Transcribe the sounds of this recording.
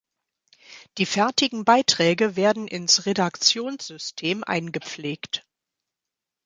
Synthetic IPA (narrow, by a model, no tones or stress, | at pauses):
d̥iːfɛɐtɪɡŋ̩baɪtʁ̥ɛːɡəveːɐdn̩ʔɪnsʁedakt͡sjoːnsz̥ʏstʰeːmʔa̰ɪnɡəp͡fleːkt